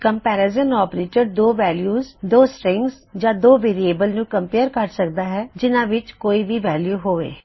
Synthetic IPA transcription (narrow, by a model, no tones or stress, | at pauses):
kəmpɛːɾezənɔːpɾeːt͡ʃəɾd̪oːʋɛːljuːzd̪oːsʈɾɪ̃ŋɡs | d͡ʒãːd̪oːʋeːɾieːbəlnũːkəmpeːəɾkəɾsəkd̪aːɦɛːd͡ʒɪnãːʋɪt͡ʃkoːiːʋiːʋɛːljuːɦoːʋḛː